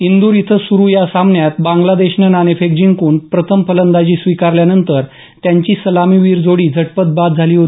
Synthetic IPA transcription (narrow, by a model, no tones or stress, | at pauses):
ind̪uːɾit̪ʰəsuɾujasamɳjat̪bãŋɡlad̪eɕnənanefek̚d͡ʑiŋkuːɳpɾət̪ʰəmpələnd̪ad͡ʑiːsʋikaɾljanənt̪əɾ | t̪jaɲt͡ɕiːsəlamiʋiːɾd͡zoɽiːd͡zʱəʈpət̪̚bat̪̚d͡zʱaliːɦot̪i